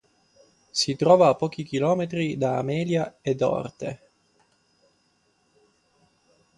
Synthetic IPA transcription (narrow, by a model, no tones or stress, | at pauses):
sit̪ɾɔːvaːpːɔːk̟ik̟ilɔːmet̪ɾid̪aːmɛːljaed̪ɔ̰rt̪ḛ